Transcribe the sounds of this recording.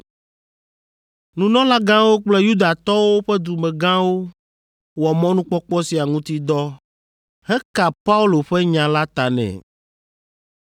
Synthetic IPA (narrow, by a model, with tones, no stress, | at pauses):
nũ˨nɔ̃˦la˦ɡã˦wo˦k͡plɛ˦ju˦d̪a˨t̪ɔ˦wo˦ɸɛ˦d̪u˨mɛ̃˨ɡã˦wo˦ | wɔ˨mɔ̃˦nũ˦k͡pɔ˦k͡pɔ˦si˨a˨ŋũ˦t̪i˦d̪ɔ˦ | hɛ˦ka˨pa˦u˦lo˨ɸɛ˦ɲã˨la˦t̪a˨nɛ̰̃˨